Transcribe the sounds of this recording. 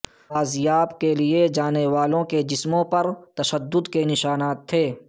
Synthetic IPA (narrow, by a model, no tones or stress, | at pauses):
aːzjaːbkelied͡ʒaːneʋaːlõked͡ʒɪsmõpɐɾt̪ɐʃəd̪ːʊd̪kenɪʃaːnaːt̪ʰːeː